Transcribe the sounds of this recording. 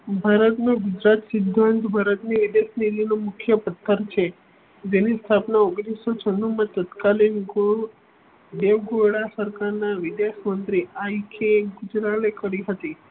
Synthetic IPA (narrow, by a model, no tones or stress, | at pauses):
bʱaɾət̪noɡʊd͡ʒɾat̪sɪd̪ʱːant̪bʱaɾət̪niʋid̪eʃnilinomʊkʰjəpət̪ʰːəɾt͡ʃʰe | d͡ʒenist̪ʰapnaoɡɽisot͡ʃʰənːumãt̪ət̪kalinɡo | ɖeʋɡoɽasəɾkaɾnaʋɪd̪eʃmənt̪ɾiaikʰeɡʊd͡ʒɾalekəɾiɦət̪i